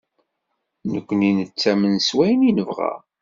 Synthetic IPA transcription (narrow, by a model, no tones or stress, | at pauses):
nəkʷːəninət͡sːæmənswæjəninəvʁæ̰